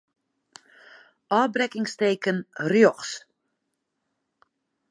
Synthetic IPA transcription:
ʔɔːbrɛkɪŋsteːkənrjɔxs

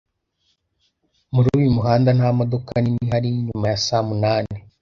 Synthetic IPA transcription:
muɾuwimuhaːnd̪an̥aːmad̪okaninihaɾiɲumajasamunaːni

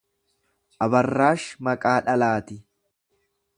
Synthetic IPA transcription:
ʔɐbɐrːaːʃmɐkʼaːᶑɐlaːt̪ɪ

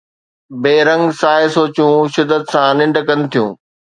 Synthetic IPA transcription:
beːɾɐ̃ŋɡsaːɦesoːt͡ɕjũʃɪd̪ːət̪sãnɪ̃ɳɖʱəkənɪ̆t̪ʰijṵ̃ː

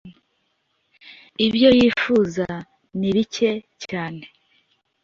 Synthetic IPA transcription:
ibjo̞jiːfuːza | niβice̞caːne̞

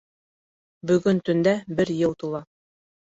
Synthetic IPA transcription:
bɵ̆ɡɵnt̪ɵ̆nd̪æbɘɾjɤlˠt̪ulˠɑ

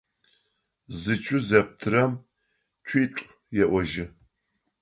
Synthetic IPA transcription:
zɨt͡ʃʰʷʼʊzɐp̚tʰɨrɐm | tʷʰiːtʷʼ | jɛʔʷɔʒɪ

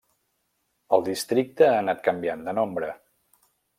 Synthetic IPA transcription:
əlˠd̪ist̪ɾik̚t̪əaːnat̪̚kəmbiand̪ənombɾə

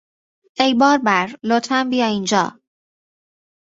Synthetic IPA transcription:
ejbɒːɾbæɾlot̪ʰæmbijɒːind͡ʒɒː

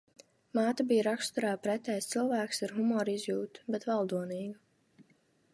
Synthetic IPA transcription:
maːt̪abijɾakst̪uɾaːpɾɛt̪ʲɛjst̪silˠvæːksiɾɦumɔːɾizjuːt̪bɛt̪valˠd̪uɔniːɡa

